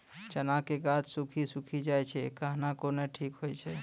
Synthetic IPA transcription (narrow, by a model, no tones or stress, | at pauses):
t͡ʃənakeɡat̪sukʰisukʰid͡ʒajt͡ʃʰɛkaɦnakoneʈʰikɦojt͡ʃʰɛ